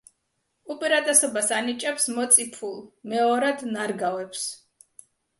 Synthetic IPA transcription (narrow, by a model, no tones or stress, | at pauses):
upʼɛɾat̪ʼɛsɔbasanit͡ʃʼɛpsmɔt̪sʼipʰulˠmɛɔɾad̪naɾɡavwɛpʰs